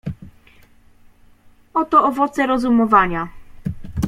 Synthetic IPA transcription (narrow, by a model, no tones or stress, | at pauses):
ɔt̪ɔʔɔvɔt̪sɛɾɔzumɔvaɲa